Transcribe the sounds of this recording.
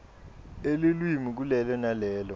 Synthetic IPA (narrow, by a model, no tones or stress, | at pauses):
elelwimik̬ulɛlɔnalɛːlɔ